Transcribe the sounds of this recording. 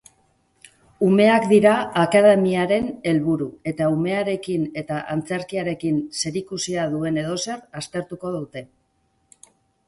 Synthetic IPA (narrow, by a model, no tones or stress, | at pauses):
ume̞akd̪iɾaːkaðe̞miaɾe̞ne̞lβuɾue̞t̪aume̞aɾe̞kine̞t̪aʔant͡se̞ɾkiaɾe̞kinse̞ɾikusiaðue̞ne̞ð̞o̞se̞rast̪e̞ɾt̪uko̞ð̞awt̪e̞